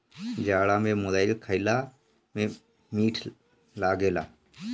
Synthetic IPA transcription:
d͡ʒaːɽaːmẽːmodaːɪlkʰəɪlaː | mẽː | miːʈʰ | laːɡeːla̰ː

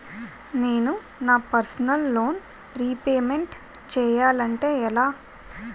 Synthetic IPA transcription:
ne̞ːnu | naːpɐɾsɐnɐlːo̞ːn | ɾiːpeːme̞ɳʈ | t͡ʃɛːjaːlɐɳʈe̞ːɛlaː

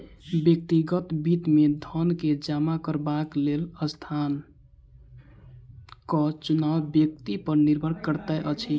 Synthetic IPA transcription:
bjək̚t̪iɡət̪bit̪med̪ʱənked͡ʒamakəɾbakleləst̪ʰan | kɔt͡ʃunawbjək̚t̪ipəɾniɾbʱəɾkəɾt̪aʔət͡ʃʰi

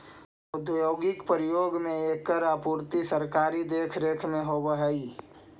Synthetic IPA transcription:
ʊd̪ʱjoːɡɪkpɾɪjoːɡmẽeːkːəɾapuːɾt̪isəɾkaːɾid̪eːkʰɾeːkʰmẽɦobəɦəi

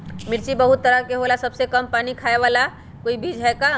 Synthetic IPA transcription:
mɪɾt͡ʃibəɦʊt̪ːəɾəkeɦoːlasɐbsekɐmpaːnikʰaːeʋaːla | koːibʱiːd͡ʒɦɛka

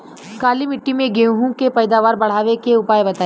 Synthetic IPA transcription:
kaːlimɪʈːimẽɡeːũɦũkepɐːd̪aːʋaːɾbɐɽ̤aːʋekeʊpaːjebɐt̪aː

